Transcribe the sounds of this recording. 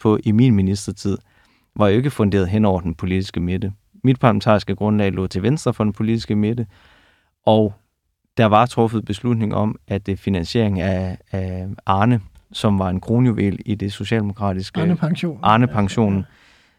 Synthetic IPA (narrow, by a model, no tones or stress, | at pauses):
pʰɒ̽ʔiminminisd̥ɐt͡sʰið̰ˠ | ʋɑ̈joe̝ɡ̥əfɔ̽nd̥e̝̰ɐð̩ˠɦen̰ɒ̰ʊɐd̥enpʰo̝lid̥isɡ̥əmed̥ə | mid̥̚pʰɑ̈ləmen̩t͡sʰɑ̰ːisɡ̥əɡ̥ʁɔ̽nlɛ̰ːlɔ̰̽t͡sʰe̝ʋensd̥ʁɐfɒ̽d̥enpʰo̝lid̥i̥sɡ̥əmed̥ə | ʔɒʊ | d̥ɑ̈ʋɑ̈t͡sʰʁɔ̽fəð̩ˠb̥e̝slud̥ne̝ŋɒ̽mæd̥efinænɕe̝ɐ̰e̝ŋæ | ʔɑ̈ːnə | sɒ̽mʋɑ̈e̝nkʰʁo̝ːnjuʋḛlid̥e̝so̝ɕɛ̰ld̥e̝mo̝kʰʁɑ̰̈ːd̥isɡ̥əʔɑ̈ːnəpʰɑ̈ŋɕo̝̰ːn